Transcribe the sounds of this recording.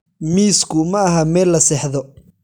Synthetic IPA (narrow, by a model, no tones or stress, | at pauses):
miːskʰʊmɐɐɦɐmɛːlːɐsɛːħðɔ